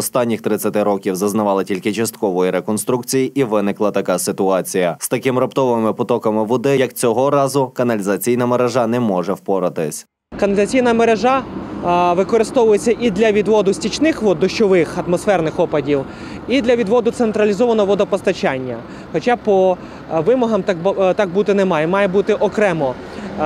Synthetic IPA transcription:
ɔst̪ɑnʲːixt̪ɾɪt͡sʲɐt̪ɪɾɔkʲiwzɐznɐʋɑlˠɐtʲilʲkɪt͡ʃɐst̪̚kɔʋɔjiɾekɔn̪st̪ɾukt͡sʲijiʔiʋɪnɪklˠɐt̪ɐkɑsɪt̪ʊɑt͡sʲijɐst̪ɐkɪmɾɐpt̪ɔʋɪmɪpɔt̪ɔkɐmɪʋɔd̪ɪjɐkt͡sʲɔɦɔɾɑzʊkɐnɐlʲizɐt͡sʲijnɐmeɾeʒɑnɛmɔʒɛwpɔɾɐt̪ɪsʲ | kɐnɐlʲizɐt͡sʲijnɐmeɾeʒɑ | ʋɪkɔɾɪst̪ɔʋʊjet͡sʲːɐʔid̪lʲɐʋʲid̪ʋɔd̪ʊsʲtʲit͡ʃnɪxʋɔd̪ɔʃt͡ʃɔʋɪxɐt̪mɔsfɛrnɪxɔpɐdʲiw | id̪lʲɐʋʲid̪ʋɔd̪ʊt̪sent̪ɾɐlʲizɔʋɐnɔɦɔʋɔd̪ɐpɔst̪ɐt͡ʃanʲːɐ | xɔt͡ʃapɔ | ʋɪmɔɦɐmt̪ɑk̚but̪ɪnɛmɑjɛmɑjɛbut̪ɪʔɔkɾɛmɔ

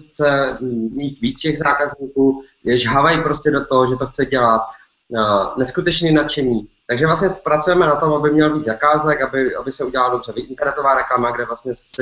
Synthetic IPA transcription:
t͡sɛmiːt̪viːt͡scɛɣzaːkazɲiːkuː | jɛʒɦavajpɾoscɛdot̪oɦoʒɛt̪oxt͡sɛɟɛlat̪̚ | nɛskut̪ɛt͡ʃniːnat͡ʃɛɲiːt̪aɡʒɛvlasɲɛpɾat͡sujɛmɛnat̪o̞mabɪmɲɛlviːd͡zzakaːzɛkabɪʔa̰bɪsɛuɟɛlaladobrɛvɪʔɪnt̪ɛɾnɛt̪ovaːɾɛklamaɡdɛvlastɲɛsɛ

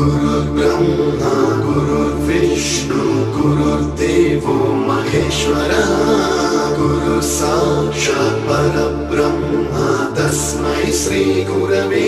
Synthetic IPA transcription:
uɾuɾbɾɐmɦɐɡuɾuɾʋiʂ | ɳu | ɡuɾuɾd̪eːʋomɐɦeːʃʋɐɾɐ | ɡuɾuɾsaːʂɐbɐɾɐbɾɐmɦɐd̪ɐs | mɐɦiʃɾiːɡuɾɐʋeː

